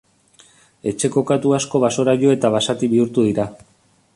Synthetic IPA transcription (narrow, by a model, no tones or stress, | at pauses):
e̞t͡ʃe̞ko̞kat̪uasko̞βaso̞ɾaʎo̞e̞t̪aβasat̪iβiuɾt̪uðiɾa